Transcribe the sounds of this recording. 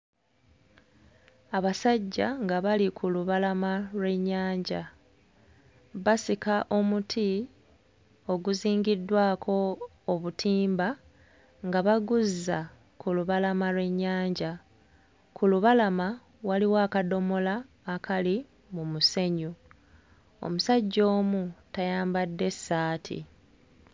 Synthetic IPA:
aβasaɟːaŋɡaβalikʰuluβalamalwe̞ɲːaːɲɟa | βasikaʔo̞mutʰi | o̞ɡuziːŋɡidːwaːkʰo̞ː | βutʰiːmba | ŋɡaβaɡuzːa | kuluβalamalwe̞ɲːaːɲɟa | kʰuluβalama | waliwaːkado̞mo̞laː | kʰali | mumuse̞ɲu | o̰musaɟːo̞ːmutajaːmbadːe̞sːaːtʰḭ

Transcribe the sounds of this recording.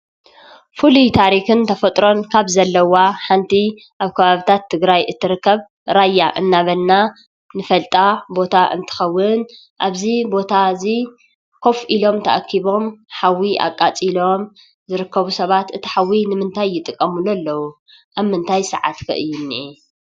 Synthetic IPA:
fulit̪ʰaɾixɨnt̪ʰɐfɐt̪ʼɾo̞nkʰaβzɐlːɐwaħant̪ʰi | ʔaβkʰɐβaβit̪ʰat̪ʰːɨɡɾajʔɨt̪ʰːɨɾɨkːɐβ | ɾajːaʔɨnːaβɐlːa | nɨfɐlt̪ʼabo̞t̪ʰaʔɨ̰nt̪ʰɨ̥xɐwːɨn | ʔaβzibo̞t̪ʰazi | kʰo̞fʔilo̞mt̪ʰɐ̰ʔkʰːiβo̞mħawiʔa̰kʼːat͡sʼilo̞m | zɨɾɨkːɐβusɐβat̪ɨt̪ʰi̥ħawinɨmɨnt̪ʰajːɪt̪ʼɨkʼːɐmululːɐwu | ʔaβmɨnt̪ʰajsɨ̰ʕa̰t̪kʰɐ̰ʔɨjːunːi

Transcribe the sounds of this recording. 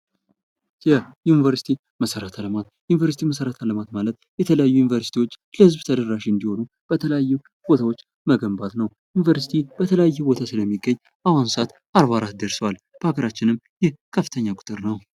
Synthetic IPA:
jɛjunivəɾsi̥t̪ʰi | məsəɾət̪ʰaləmat̪junivəɾsit̪ʰiməsəɾət̪ʰaləmat̪malət̪jɛt̪ʰələjajːujunivəɾsi̥t̪ʰiwo̞t͡ʃːləhɨzbt̪ʰəd̪əɾːaʃiɨnd̪iho̞nu | b̥ət̪ʰələjajːu | b̥o̞t̪ʰawo̞t͡ʃː | məɡəmbat̪nəw | junivəɾsi̥t̪ʰib̥ət̪ʰələjajːubo̞t̪ʰasɨləmːiɡːəɲː | ʔawansat̪ | aɾβaɾat̪̚d̪əɾsəwal | b̥əaɡəɾat͡ʃːɪnɨmː | jɛhkʰəfɨt̪ʰəɲːakʼʊ̥t̪ʼɨɾnəw

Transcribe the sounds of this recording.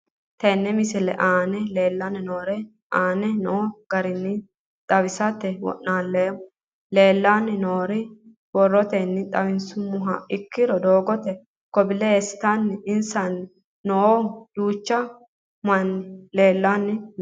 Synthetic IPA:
t̪ɛnːɛmɪsɪlɛ̰ʔaːnɛle̞ːlːanːɪnoːɾɛ | ʔaːnɛnɔɡ̥ɐɾɪnːɪ | t̪ʼɐwɪsɐt̪ːɛwɔ̰ʔːaːnleːmʊ | le̞ːlːaːnːɪnoːɾɪ | wɔrːɔt̪ɛnːɪt̪ʼɐwɪnsʊmːʊɦɐɪkːɪɾɔd̪oːɡɔt̪ɛ | kɔbɪlɛesɪ̥t̪anːɪɪnsɐnɪː | ɔod̪̥uːt͡ʃːɐ | mɐnːɪle̞ːlːanːɪ

